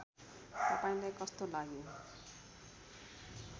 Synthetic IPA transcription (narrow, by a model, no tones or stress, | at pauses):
t̪ʌpaĩlajkʌst̪olaɡjo